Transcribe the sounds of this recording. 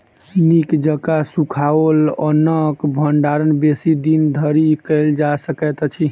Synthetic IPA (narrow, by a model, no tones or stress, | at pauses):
nikd͡ʒəkasũkʰaolənəkbʱəɳɖaɾənbesid̪ind̪ʱəɾikəɪld͡ʒasəkɛt̪t͡ʃʰi